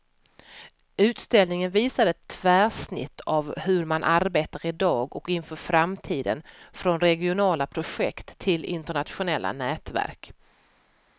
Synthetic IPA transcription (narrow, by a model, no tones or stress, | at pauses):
ʉ̟ːt̪st̪ɛlnɪŋənviːsad̪əɛt̪ʰːvæːʂnɪ̰t̪ʰːavhɵɾmanʔaɾbeːt̪aɾɪd̪ɑːɡɔkɪnfœːɾfɾamt̪ʰiːd̪ə̰nfɾɔnɾɛɡɪʊnɑːlapʰɾʊɧɛkt̪ʰːɪlɪ̰nt̪əɳat̪ɧʊnɛlːa̰nɛːt̪væ̰ɾk